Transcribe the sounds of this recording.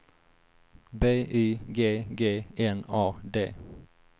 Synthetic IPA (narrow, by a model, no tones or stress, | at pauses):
beːʔyːɡeːɡeːɛnɑːd̪ḛː